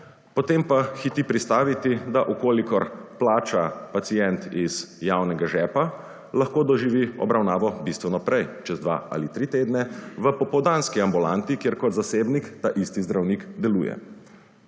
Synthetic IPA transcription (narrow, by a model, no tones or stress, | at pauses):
pɔt̪empaxit̪ipɾit̪st̪aːʋit̪id̪aʔukoːlikɔɾplaːt͡ʃapat̪sijɛnt̪iz̥jawnɛɡaʒɛːpa | laxkoːd̪ɔʒiʋiɔ̰bɾawnaːʋɔbist̪ʋɛnɔpɾɛjt͡ʃɛzd̪ʋa̰ʔa̰lit̪ɾit̪eːd̪nɛʋəpɔpɔwd̪anskiambulant̪ikjeɾkɔd̪zaseːbnikt̪aʔist̪izd̪ɾawnikd̪ɛlṵːjɛ̰